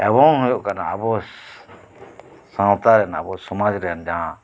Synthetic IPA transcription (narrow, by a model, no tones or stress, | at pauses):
ɛbɔŋɦujoʔkanaabɔ | sãt̪aɾɛnaa̰bɔsɔmad͡ʒɾɛɦɛnd͡ʒaɦã